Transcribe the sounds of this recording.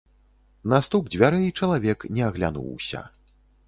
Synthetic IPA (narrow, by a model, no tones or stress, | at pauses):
nast̪uɡ̚d͡zʲvʲaɾɨit͡ʂɐlˠavʲɛknʲɛɐɣlʲa̰nṵwsʲɐ̰